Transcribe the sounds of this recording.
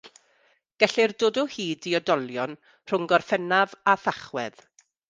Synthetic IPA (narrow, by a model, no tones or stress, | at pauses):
ɡ̥ɛɬɪrdoːdɔhiːdiɔdɔlˠjɔn | r̥ʊŋɡɔrfɛnavaθaχwɛ̰ð